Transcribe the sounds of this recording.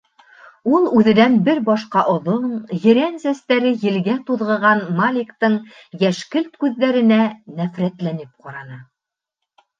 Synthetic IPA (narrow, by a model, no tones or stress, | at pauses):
ulˠʉðɘ̆nænbɘɾbɑʃqɑʔŏðoɴjɘ̆ɾænsæst̪æɾɘjɘ̆lɡæt̪uðʁɤ̆ʁɑnmalʲɪkt̪ɤɴ | jæʃkɘlt̪kʉðːæɾɘ̆nænæfɾæt̪lænɘp̚qɑɾɑnɤ